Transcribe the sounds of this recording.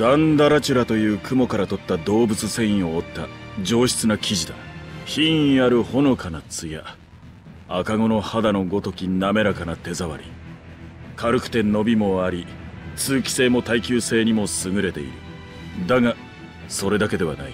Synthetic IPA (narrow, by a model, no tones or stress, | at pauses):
ɡ̪̥ãnd̪aɾat͡ɕɨɾat̪o̞jɯ̟ːkɯ̟mo̞kaɾat̪o̞t̪ːad̪o̞ːbɯ̟t͡sɨsẽ̞ɰ̃ĩo̞ːt̪ːad͡ʑo̞ːɕi̥t͡sɨnakʲiʑid̪a̰çĩɰ̃ĩaɾɯ̟ho̞no̞kʰanat͡sɨja | akaŋo̞no̞had̪ano̞ɡo̞t̪o̞kʲiname̞ɾakanat̪e̞zaβa̰ɾʲḭ | kʰaɾɯ̟kɯ̥t̪e̞no̞bʲimo̞aɾʲi | sɨːkʲi̥se̞ːmo̞t̪aikʲɨːse̞ːɲ̟imo̞sɨŋɯ̟ɾe̞t̪e̞̰ḭɾɯ̟̰ | d̪aŋa | so̞ɾe̞d̪ake̞d̪e̞βa̰na̰i